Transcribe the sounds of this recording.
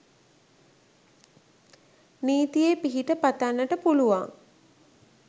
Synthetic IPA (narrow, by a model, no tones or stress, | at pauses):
niːt̪ijepiɦiʈəpat̪anːəʈəpuluʋa̰ŋ